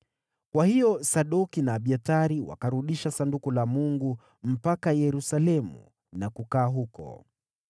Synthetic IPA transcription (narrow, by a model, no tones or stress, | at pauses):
kwahiɔsaɗɔkinaːɓiataɾiwa̰kaɾuɗiʃasandukulamuŋɡu | m̩pakajɛɾusalɛmṵ | nakukaːɦukɔ̰